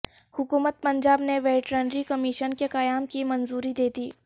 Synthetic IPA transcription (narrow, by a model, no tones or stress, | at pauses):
hʊkuːmət̪̚pɐ̃ɲd͡ʒaːbneʋeːʈɾeːnɾikɐmiʃənkekɐjaːmkimɐnzuːɾid̪eːt̪iː